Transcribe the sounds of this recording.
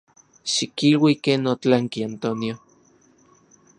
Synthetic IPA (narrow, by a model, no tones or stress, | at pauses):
ʃikilwikeːnot͡ɬaŋkiant̪onjo